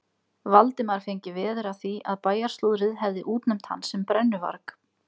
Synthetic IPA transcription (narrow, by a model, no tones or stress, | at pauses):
valt̪ɪmaɾ̥fejɲcɪvɛːðʏɾaθiaðpaːjaɾ̥st̪uðɾɪðɦɛvðɪʔuːt̪nɛm̥t̪ha̰nːsɛmpɾɛnːʏva̰ɾk